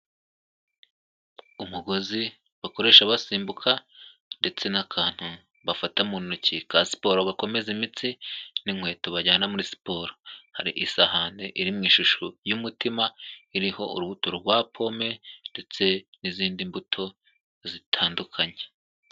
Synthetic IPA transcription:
umuɡo̞zi | βako̞ɾe̞ːʃaβasiːmbukʰa | nde̞t͡se̞nakʰaːn̥hu | βafatamunnucikasi̥po̞ɾoβako̞me̞zimit͡siniŋwe̞ːtoβaɟaːnamuɾisi̥po̞ːɾoha̰ɾḭʔisahaːnde̞ʔiɾimŋiːʃuʃujumutimaiɾiho̞ṵɾuβutoɾoɡwaːpʰo̞me̞nde̞t͡se̞niziːndimbutʰo̞ | zitʰaːndukʰaɲe̥

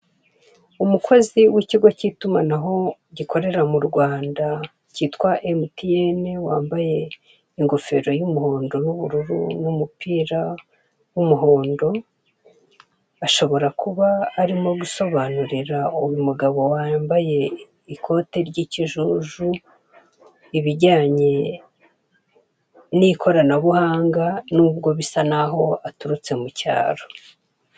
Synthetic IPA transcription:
umukʰo̞ziwiciɡo̞citumanaɦo̞ɟikʰo̞ɾe̞ɾamuɾɡwaːnda | ciːtkwaʔemutienewaːmbaje̞ | iŋɡo̞fe̞̰ɾo̞jumuho̞ːndo̞nuβuɾuɾṵnumupiːɾa | wumuɦo̞ːndo̞ | aʃo̞βo̞ɾakuβaːɾimo̞ɡuso̞βanuɾiɾaujumuɡaβo̞waːmbaje̞ | ikʰo̞ːte̞ɾɟiːciʒuʒu | iβiɟaːɲe̞ | nikʰo̞ɾanaβuhaːŋɡanuːbɡo̞βisanaɦo̞atuɾut͡se̞muca̰ːɾo̥

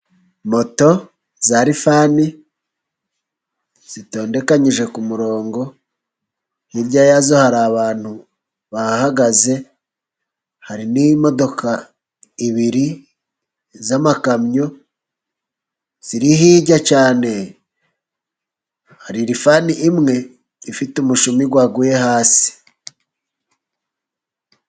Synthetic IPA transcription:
mo̞to̞ | zaɾifaːni | z̥ito̞ːnde̞kaɲiʒe̞kumuɾo̞ːŋɡo̞ | hiɾɟajazo̞haɾaβaːn̥hu | βahaɡaze̞ | haɾinimo̞do̞kʰa | iβiɾi | zamakamɲo̞ | z̥iɾiɦiːɟacaːne̞ | haɾiɾifaniʔimŋe̞ | ifitumuʃumiɡwaɡujehaːsi̥

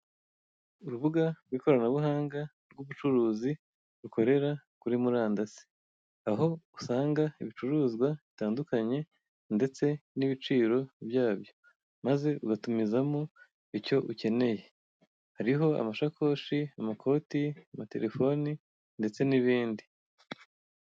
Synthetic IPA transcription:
uɾuβuɡaɾɡwiko̞ɾanaβuhaːŋɡa | ɾɡuβut͡ʃuɾuːzi | ɾuko̞ɾe̞ɾakuɾimuɾaːndasi̥ | aɦo̞usaːŋɡaiβit͡ʃuɾuzɡwaβitaːndukaɲe̞ | nde̞t͡se̞niβit͡ʃiːɾo̞βjaːβjo̞ | maze̞uɡatumizamu | ico̞ʔuce̞ne̞je̞ | haɾiɦo̞a̰maʃakʰo̞ːʃiamakʰo̞ːtiamate̞̰ɾe̞fo̞ni | nde̞t͡se̞niβiːndi

